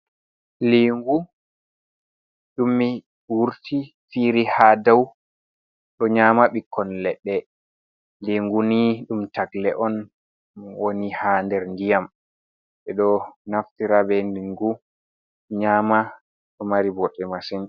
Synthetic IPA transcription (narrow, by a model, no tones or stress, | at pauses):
liŋɡu | ɗumːi | wuɾtʰi | fiɾihaːdaw | ɗɔɲaːmaɓikʰːɔnlɛɗːɛ | liŋɡuniɗumtaɡlɛʔɔn | wonihandɛɾndijam | ɓɛɗɔnaftiɾabɛnliŋɡu | ɲaːma | ɗɔmaɾibɔɗːɛmasin